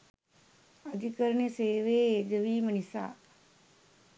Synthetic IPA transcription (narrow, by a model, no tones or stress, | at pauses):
əd̪ʱikəɾəɳeseːʋeːd͡ʒəʋiːmənisa̰ː